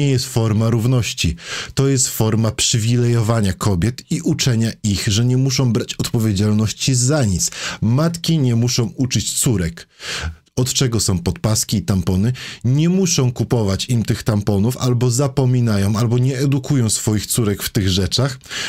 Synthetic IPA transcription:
ɛjɛst̪fɔɾmaɾuvn̪ɔɕt͡ɕit̪ɔjɛst̪fɔɾmapʂɘvʲilɛjɔvaɲakʰɔbʲjɛt̪iʔut͡ʂɛɲaixʐɛɲɛmuʂɔ̃w̃bɾat͡ɕɔt̪pɔvʲjed͡ʑalnɔɕt͡ɕizaɲit̪smat̪kʲiɲɛmuʂɔ̃w̃ut͡ʂɘt͡ɕt̪suɾɛk | ɔt̪t͡ʂɛɡɔsɔ̃w̃pɔt̪̚paskʲiːt̪ampɔnɘɲɛmuʂɔ̃w̃kupɔvat͡ɕimt̪ɘxt̪ampɔnufalbɔzapɔmʲinajɔ̃w̃albɔɲɛɛd̪ukujɔ̃w̃sfɔjixt̪suɾɛkft̪ɘɣʐɛt͡ʂax

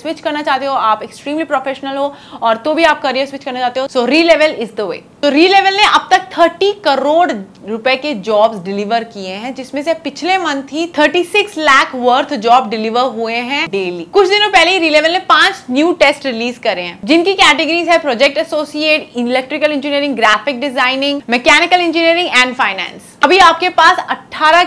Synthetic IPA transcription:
swɪt͡ʃkɐɾnat͡ʃaːɦt̪eɦoaːpɛksʈɾiːmlipɾoːfeːʃnəlɦoː | ɔːɾt̪obʱiaːp̚kɐɾiəsʋɪt͡ʃkɐɾnat͡ʃaːt̪eɦosoːɾiːlɛʋəlɪzd̪əʋḛːt̪oɾiːleʋəlneʔɐb̚t̪ɐk̚t̪ʰəɾʈikɐɾoːɖ | ɾʊpeked͡ʒɔːbzɖɪlɪʋəɾkieɦɛ̃d͡ʒɪsmẽsepɪt͡ʃʰlemɐ̃nt̪ʰɦit̪ʰəɾʈisɪkslɛːkʰʋəɾt̪ʰd͡ʒɔːb̚ɖɪlɪʋəɾɦueɦɛ̃ɖeːliːkʊt͡ʃʰd̪ɪnõpɛɦleiɾiːleʋəlnẽpãːt͡ʃnjuːʈeːsʈɾɪliːzkɐɾeɦɛ̃d͡ʒɪnkikɛːʈɪɡəɾiːzɦɛ̃pɾɔːd͡ʒɛk̚ʈɐsoːsieːʈɪlɛk̚ʈɾɪkəlɪ̃nd͡ʒɪniəɾɪ̃ŋɡɡɾaːfɪk̚ɖɪzaːɪnɪ̃ŋɡmɛkɛːnɪkəlɪ̃nd͡ʒɪniəɾɪ̃ŋɡɛ̃ːɳɖfaːɪnɛ̰̃ːns | ɐbʱiaːp̚kepaːsɐʈʰːaːɾa

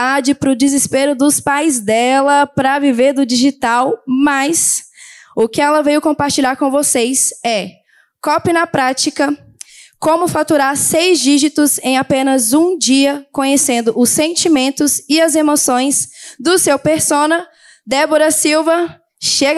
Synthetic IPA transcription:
ad͡ʒɪpɾʊd͡ʒɪzɪspeɾʊd̪ʊspajzd̪ɛlɐpɾɐviveɾd̪ʊd͡ʒiʒit̪awmɐs | ʊkɪɛlɐvejʊkõmpaɾt͡ʃiʎaɾkõvosejsɛ | kɔpɪnɐpɾat͡ʃikɐ | kõmʊfat̪uɾaɾsejzd͡ʒiʒit̪ʊzẽj̃apẽnɐzũd͡ʒiɐkõɲesẽnd̪ʊʔʊsːẽnt͡ʃimẽnt̪ʊzɪɐzemosõj̃sd̪ʊsewpeɾsõnɐ | d̪ɛboɾɐsiwvɐ | ʃeɡ

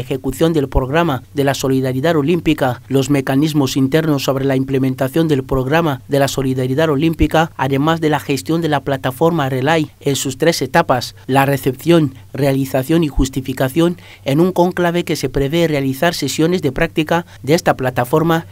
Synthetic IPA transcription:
exekuθjo̞nd̪e̞lpɾoɣ̞ɾamaðe̞laso̞liðaɾjiðaðo̞limpikalo̞zme̞kanizmosint̪eɾnosːo̞β̞ɾelaimplemẽnt̪aθjo̞nd̪e̞lpɾoɣɾamaðelaso̞liðaɾiðaðo̞limpikaːðe̞mazðe̞laxe̞st̪jo̞nd̪elaplat̪afo̞ɾmarelaj | ensust̪ɾese̞t̪apaslare̞θepθjo̞nrealiθaθjo̞nixust̪ifikaθjo̞n | enuŋkoŋklaβe̞kese̞pɾeβerealiθaɾsesjone̞zðe̞pɾak̚t̪ika | ðeest̪aplat̪afo̞ɾma

